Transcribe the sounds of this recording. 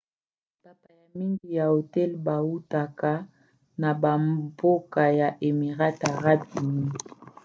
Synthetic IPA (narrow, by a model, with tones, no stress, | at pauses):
ta˦pa˨ja˨mi˦ŋɡi˨ja˨o˨tɛ˦lba˨wu˦ta˨ka˦ | na˨ba˨mbo˦ka˨ja˨ʔe˨mi˨ʁa˦ta˨ʁa˦bi˨mi˦ŋi˨